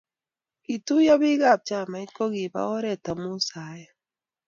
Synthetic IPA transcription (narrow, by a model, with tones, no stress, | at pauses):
i˨tu˦ja˦βi˦ɣa˦˨b̚t͡ʃa˨ma˨i˦ko˦ɣi˨βa̰˦o˦ɾɛ˦˨ta˨mu˦sa˨˦ja˦